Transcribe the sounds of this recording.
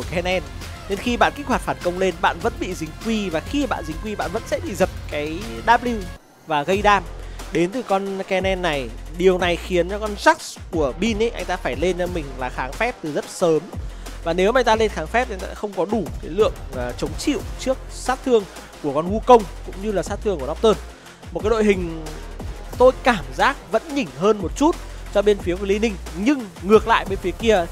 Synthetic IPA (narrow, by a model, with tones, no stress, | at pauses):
ku˧˩kɛ˧nʔɛ˧n | ɗe˧nxi˧ɓa̰ː˧˨nki˦˥k̚ha˨˩t̚faː˧˩nkə˧wŋ͡mle˧nɓa̰ː˧˨nvə̰˧˥nɓḭ˧˨zï˨˦ŋ̟kwi˧vaː˨˩xi˧˨ɓa̰ː˧˨nzï˨˩ŋ̟kwi˧ɓa̰ː˧˨nvə̰˧˥nsɛ̰˧˥ɓḭ˧˨zə˨˩t̚kaː˨˦jɗaː˦˥p̚li˧w | vaː˨˩ɣə˧jɗaː˧mɗe˨˦nt̪ɨ˨˩kɔ˧nkɛ˧nɛ˧nːa˨˩jɗi˨˩əwna˨˩jxi˨˦ənt͡ɕɔ˧kɔ˧nza˦˥k̚sku˧˩əɓi˧nʔə˨˦jʔa̰˧jŋ̟t̪aː˧faː˧˩jle˧nt͡ɕɔ˧mï˨˩ŋ̟laː˨˩xaː˨˦ŋfɛ˦˥p̚t̪ɨ˨˩zə˦˥t̚səː˨˦m | vaː˨˩ne˨˦wmaː˨˧jŋ̟t̪aː˧le˧nxaː˨˦ŋfɛ˦˥p̚ʔŋt̪a̰ː˧xə˧wŋ͡mkɔ˨˦ɗu˧˩kaː˨˦jlɨ̰˧˨əŋː˨˩t͡ɕə˨˦wŋ͡mt͡ɕḭ˧˨wt͡ɕɨ˦˥ək̚saː˦˥t̚t̪ʰɨ˧əŋ | ku˧˩əkɔ˧nhu˧kə˧wŋ͡mkʊ̰˧˥ŋ͡mɲɨ˧laː˨˩saː˦˥t̪ʰɨ˧˩ŋku˧˩ə˨n˦˥p̚t̪əː˧n | mo˨˩ka˨˦ɗo̰˧˨jɦï˨˩ŋ̟ | t̪o˧jkaː˧˩mzaː˦˥k̚və̰˧˥nɲï˧˩ŋ̟ɦəː˧nmo˨˩t̚t͡ɕu˦˥t̚t͡ɕɔ˧ɓe˧nfi˨˦kli˧nï˧ŋ̟ɲɨ˧ŋ | ŋɨ˨˩ək̚la̰ː˧˨jɓe˧nfi˨˦əki˧ə